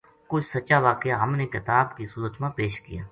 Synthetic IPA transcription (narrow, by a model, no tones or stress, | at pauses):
kʊt͡ʃʰsət͡ʃaʋaːkeaɦəmnekɪt̪aːbkisuːɾət̪mãpeːʃkɪjaː